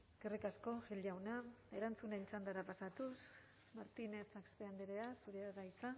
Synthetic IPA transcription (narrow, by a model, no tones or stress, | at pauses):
ɡ̥erikasko̞ʝilawnae̞ɾant͡sunent͡sand̪aɾapasat̪us | maɾt̪ine̞t͡sakspeand̪eɾeasuɾeɣajt͡sa